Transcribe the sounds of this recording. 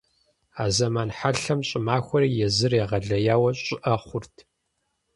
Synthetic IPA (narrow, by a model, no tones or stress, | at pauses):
aːzɐmaːnħaɬɐmɕʼɪmaːxʷɔɾiːjɛzɨreːʁɐɮɐjaːwɐɕʼɪʔɐχʷʊrtʰ